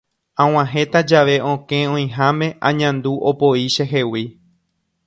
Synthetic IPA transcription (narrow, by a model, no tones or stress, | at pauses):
ãw̃ãɦẽ̞t̪ad͡ʒaʋe̞ʔõkẽ̞õj̃ɦamẽ̞ʔã̰ɲãnd̪uʔopo̞iʃeɦe̞wi